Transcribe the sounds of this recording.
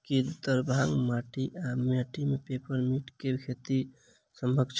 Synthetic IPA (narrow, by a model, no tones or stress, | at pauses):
kid̪t̪əɾbʱaŋmaʈiʔameʈimepepəɾmiʈkekʰet̪i | səmbəkt͡ʃʰ